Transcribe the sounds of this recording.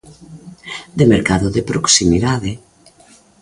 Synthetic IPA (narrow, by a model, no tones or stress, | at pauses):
d̪emeɾkaðoðepɾoksimiðaðɪ